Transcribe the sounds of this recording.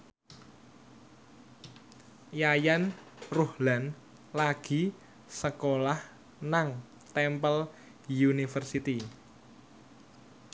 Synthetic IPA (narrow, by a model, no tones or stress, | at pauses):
jajanruhlan | laɡ̥i̤ | səkolah | naŋ | t̪ɛmpəl | junifərsit̪i